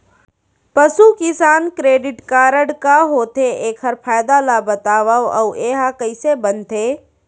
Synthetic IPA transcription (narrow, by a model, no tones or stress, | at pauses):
pəsukɪsaːnkɾeːɖɪʈkaːɾəɽkaɦoːt̪ʰeʔeːkʰəɾpʰaːjd̪alabət̪aːʋawə̰weːɦakəɪsebənt̪ʰeː